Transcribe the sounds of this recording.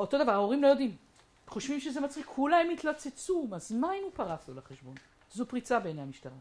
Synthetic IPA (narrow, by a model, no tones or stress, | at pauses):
o̞t̪o̞d̪avaʁao̞ʁimlo̞jo̞d̪im | χo̞ʃvimʃeze̞mat͡sʁikʰːulahemit̪lat͡se̞t͡sumazmainupaʁaflolaχeʃbo̞n | zopʁit͡sabenejamiʃtaʁa